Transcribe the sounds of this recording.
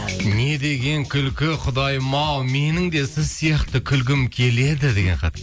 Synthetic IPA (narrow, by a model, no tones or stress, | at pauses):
ne̞d̪e̞ɡʲe̞ŋkʲʰʏlkʲɪqʰʊd̪ɑjmɑwme̞nɪŋd̪e̞sɪzsijɑχt̪ɪkʲʰʏlɡ̬ʲɪmkʲʰe̞le̞d̪ɪd̪e̞ɡʲeɴqʰɑ̰t̪